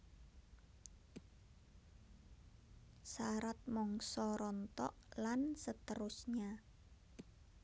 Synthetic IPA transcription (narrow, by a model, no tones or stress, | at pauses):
saɾat̪̚mɔŋsɔɾɔnt̪ɔ̰ʔlansət̪əɾʊsɲa